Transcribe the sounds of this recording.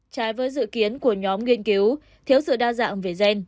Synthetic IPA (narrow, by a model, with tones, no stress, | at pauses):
t͡ɕaː˨˦jvəː˨˦jzɨ̰˧˨ki˨˦ənku˧˩əɲɔ˨˦mŋwi˧ənki˨˦w | t̪ʰi˨˦əwsɨ̰˧˨ɗaː˧za̰ː˧˨ŋve˨˩zɛ˧n